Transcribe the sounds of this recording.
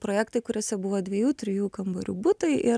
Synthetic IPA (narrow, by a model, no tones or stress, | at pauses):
pɾoːjæːkt̪ɐɪkʊɾʲoːsʲɛbʊʋoːd̪ʲʋʲiɛjuːt̪ʲɾʲɪjuːkɐmboɾʲṵːbʊt̪ɐɪʔɪ